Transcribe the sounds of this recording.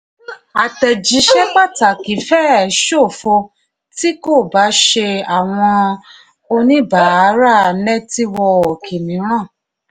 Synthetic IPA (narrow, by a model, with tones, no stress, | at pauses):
a˨tɛ˨d͡ʒi˨˦ʃɛ˦k͡pa˦˨ta˨ki˨˦fɛ˦˨˦ʃo˦˨fo˧ | ti˦ko˦˨ba˨˦ʃe˧a˨w̃ɔ̃˧ | o˧nĩ˦ba˨˦˨ɾa˦˨nɛ˦ti˦wɔ˧o˨kʰi˨nĩ˨˦ɾ̃ã˦˨